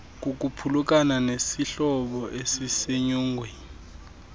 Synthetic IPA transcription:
k̬uk̬upʰuluk̬ʼananesiɬɔɓɔʔesiseɲuːŋɡʱwɛ

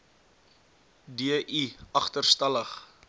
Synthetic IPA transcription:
diəʔiɐχtərstɐləχ

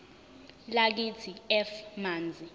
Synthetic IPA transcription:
lak̬it͡sʰiɛfmaːnd͡zʱi

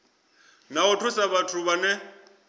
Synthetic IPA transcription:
naʊtʰʊsaβatʰʊβanɛ

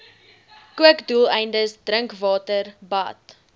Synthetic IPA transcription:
kuəkdulˠɛjndəsdrəŋkvɑːtərbɐ̰t

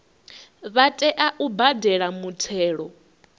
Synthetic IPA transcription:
βatʼɛʔaʔubadɛɺamutʰɛːɺɔ

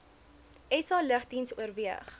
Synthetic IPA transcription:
ɛsɑləχdinsuərviəχ

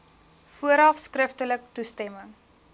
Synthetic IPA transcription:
fuəɾɑfskrəftələk̚tustɛməŋ

